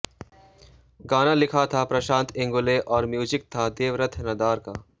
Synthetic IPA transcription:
ɡaːnalɪkʰat̪ʰapɾɐʃãːnt̪ʰɪ̃ŋɡʊleʔɔːɾmjuːd͡ʒɪk̚t̪ʰad̪eːʋɾət̪ʰːnɐd̪aːɾkaː

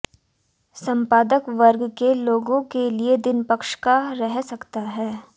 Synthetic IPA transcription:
sɐ̃mpaːd̪əkʋɐɾɡkeloːɡõkelied̪ɪnpəkʃkaɾɛɦsɐkt̪aɦɛː

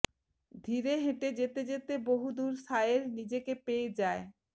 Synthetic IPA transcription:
d̪ʱiɾeɦẽʈed͡ʑet̪ed͡ʑet̪eboɦud̪uɾsaeɾnid͡ʑekepeed͡ʑae

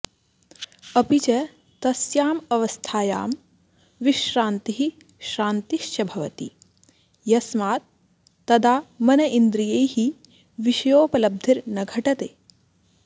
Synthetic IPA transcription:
ɐpit͡ʃɐ | t̪ɐsjaːmɐʋɐst̪ʰaːja̰ːm | ʋiʃɾaːnt̪iɦi | ʃɾaːnt̪iʃt͡ʃɐbʱɐʋɐt̪ḭ | jɐsmaːt̪ː | ɐd̪aːmɐnɐʔind̪ɾijejhi | ʋiʃɐjoːpɐlɐb̚d̪ʱiɾnɐɡʱɐʈɐt̪eː

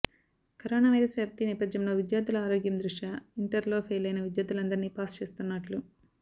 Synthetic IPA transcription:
kɐɾoːnaːʋɐjɾɐsʋjɐːp̚t̪inɛːpɐd̪jɐmlo̞ːʋid̪jaːd̪ulɐaːɾo̞ːɡjɐmd̪ɾuʂʈɐiɳʈɐɾlo̞ːpʰeːjlɐjnɐʋid̪jaːd̪ulɐnd̪ɐɾniːpaːst͡ʃe̞ːst̪unːɐʈlu

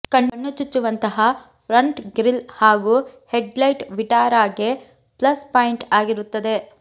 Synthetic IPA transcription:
kɐɳɐɳːut͡ʃːut͡ʃːuʋɐnt̪ɐɦɐ | pʰɾɐɳʈɡɾilhaːɡuːheɖlɐjʈʋiʈaːɾaːɡe | plɐspaːiɳʈaːɡiɾut̪ːɐd̪e̞

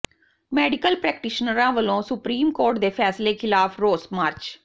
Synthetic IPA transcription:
mɛːɖɪkəlpɾɛːkʈɪʃnəɾãːʋəlõːsʊpɾiːmkoːɾʈd̪eːpʰɛːsleːkʰɪlaːpʰɾoːsmaːɾt͡ʃ

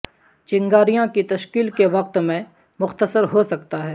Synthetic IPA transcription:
t͡ʃɪ̃ŋɡaːɾijãkit̪ɐʃkiːlkeʋɐq̚t̪mẽ | mʊxt̪əsəɾɦosɐk̚t̪aɦɛː

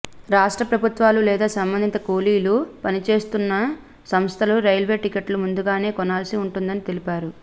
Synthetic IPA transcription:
ɾaːʂʈɾɐpɾɐbʱut̪ʋaːlulɛːd̪aːsɐmbɐnd̪ʱint̪ɐkoːliːlupɐnit͡ʃe̞ːst̪unːɐ | sɐmst̪ʰɐluɾɐjlʋe̞ːʈikɐʈlumund̪uɡaːne̞ːkɔnaːlsiuɳʈund̪ɐnit̪elipaːɾu

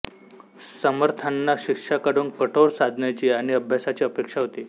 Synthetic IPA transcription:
səməɾt̪ʰanːaɕikʂakaɽuːnkəʈʰoɽsad̪ʱnjat͡ɕiːaɽ̃iəbʱjasat͡ɕiːəpekʂaɦot̪iː

